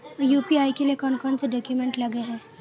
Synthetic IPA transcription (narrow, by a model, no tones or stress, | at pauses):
juːpiaːikeliekɔnkɔːnseɖɔːkjumẽɳʈlɐɡeɦɛ̃ː